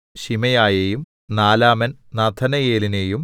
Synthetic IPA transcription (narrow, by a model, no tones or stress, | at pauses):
ɕimɐjaːjejum | naːlaːmɐnnɐd̪ʰʱɐnɐjeːline̞jum